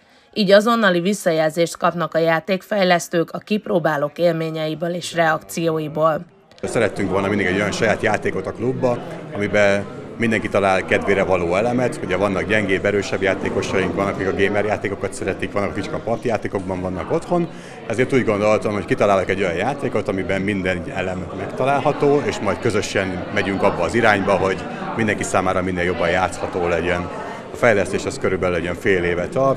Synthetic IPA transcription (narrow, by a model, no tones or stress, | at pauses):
iːɟɒzo̞nːɒlivisːɒjɛlzeːʃt̪kɒpnɒkɒjaːt̪eːkfɛjlɛst̪øːkɒkiproːbaːloːkeːlmeːɲɛjibøːleːʃrɛɒkt̪sijoːjiboːl | sɛɾɛt̪ːyŋkʋo̞lnɒmind̪iɡɛɟːo̞jɒnʃɒjaːt̪jaːt̪eːkot̪ɒklubːɒɒmibɛmind̪ɛŋkit̪ɒlaːlkɛd̪veːɾɛvɒloːɛlɛmɛt̪huɟɛvɒnːɒkɟɛŋɡeːbɛɾøːʃɛbjaːt̪eːko̞ʃɒjiŋkvɒnːɒkikɒɡeːmɛɾjaːt̪eːko̞kɒt̪sɛɾɛt̪ikʋɒnːɒkɒkit͡ʃkɒpɒrt̪jaːt̪eːko̞ɡ̚bɒɱvɒnːɒko̞t̪ho̞n | ɛzeːrt̪uːɟɡo̞nd̪o̞t̪omho̞ckit̪ɒlaːlɒkɛɟːo̞jɒɲjaːt̪eːko̞t̪ɒmibɛmːind̪ɛnɛ̰lɛmmɛkt̪ɒlaːlɦɒt̪oːeːʃmɒjt̪kø̞zø̞ʃɛn | mɛɟyŋkɒbːɒːziɾaːɲbɒɦo̞ɟ | mind̪ɛŋkisaːmaːɾɒminːeːljo̞bːɒjjaːt̪shɒt̪oːlɛɟɛn | ɒfɛjlɛst̪eːʃɛskøɾybɛlylɛɛɱfeːleːvɛt̪ɒr